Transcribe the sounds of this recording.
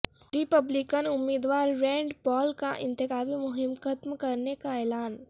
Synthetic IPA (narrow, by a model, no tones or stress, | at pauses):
ɾɪpəblɪkənʊmːiːd̪waːɾːɛ̃ːɳɖpɔːlkaʔɪ̰̃nt̪ɪkaːbimʊɦɪmxət̪mkɐɾnekaɛːlaːn